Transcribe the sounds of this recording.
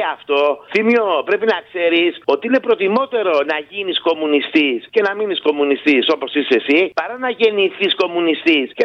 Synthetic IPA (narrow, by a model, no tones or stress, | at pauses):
ɐft̪o̞θimopɾe̞pinɐkse̞ɾiso̞t̪iine̞pɾo̞t̪imo̞t̪e̞ɾo̞nɐʝinisko̞munist̪isce̞nɐminisko̞munist̪iso̞po̞sise̞sipɐɾɐnɐʝe̞niθisko̞munist̪isce